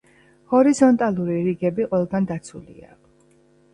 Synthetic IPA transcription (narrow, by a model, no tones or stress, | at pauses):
hɔɾizɔnt̪ʼalˠuɾiɾiɡɛbiqʼwɛlˠɡand̪at̪sʰulḭa̰